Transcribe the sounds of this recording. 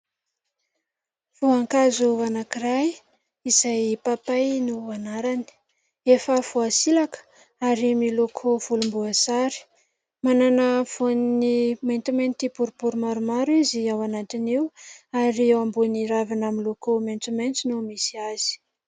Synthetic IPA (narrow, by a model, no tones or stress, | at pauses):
v̥uaŋkazuanakiraj | izajpapajnuanaɾani̥ | efəfuasilakə̥ | aɾimilokʰov̥ulumbuasaɾi̥ | mananəv̥onniment̪iment̪ipuɾupuɾumaɾumaɾiziawanat̪iniwaɾiwambuniɾavinaminlokoment͡sument͡sinumisiaz̥i̥